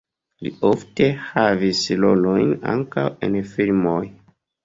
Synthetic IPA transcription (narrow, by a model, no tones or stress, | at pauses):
lḭofte̞havislolojna̰ŋkawenfilmoj